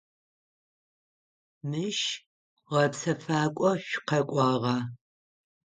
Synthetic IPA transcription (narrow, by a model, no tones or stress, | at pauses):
mɨʃ | ʁɐpsɐfaːkʷʼɔɕʷqɐkʷʼɑʁɑː